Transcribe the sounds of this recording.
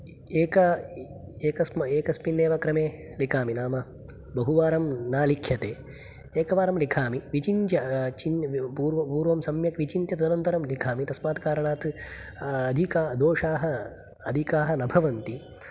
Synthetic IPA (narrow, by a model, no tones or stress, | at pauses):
eːkɐ | eːkɐsmeːkɐspinːeːʋɐkɾɐmeː | likaːminaːmɐ | bɐɦuʋaːɾɐmnaːlikʰjɐt̪eː | eːkɐʋaːɾɐmlikʰaːmiʋit͡ʃint̪jɐt͡ʃinpuːɾʋɐpuːɾʋɐmsɐmjɐkʋit͡ʃint̪jɐt̪ɐd̪ɐnɐnt̪ɐɾɐmlikʰaːmit̪ɐsmaːt̪kaːɾɐɳaːt̪ | ɐd̪ʱikaːd̪oːʂaːɦɐ | ɐd̪ʱikaːɦɐnɐbʱɐʋɐnt̪i